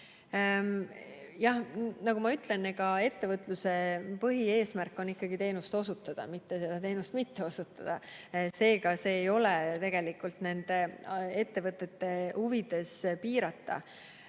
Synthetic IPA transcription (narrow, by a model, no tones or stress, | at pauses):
jɑhnɑɡumɑyt̪ˑle̞neɡɑe̞t̪ːe̞vɤt̪ˑluse̞pɤɦie̞ːsmærkːˑo̞nikːˑɑɡ̥it̪e̞ːnust̪o̞sut̪ːˑɑd̪̥ɑ̰mit̪ːe̞se̞d̪̥ɑt̪e̞ːnust̪mit̪ːe̞o̞sut̪ːˑɑ̰d̪̥ɑse̞ːɡɑse̞ːjo̞let̪e̞ɡ̥e̞likːˑult̪ne̞nd̪̥e̞e̞t̪ːe̞vɤt̪ːˑe̞t̪ːe̞huvid̪̥e̞spiːɾɑt̪ːˑɑ̰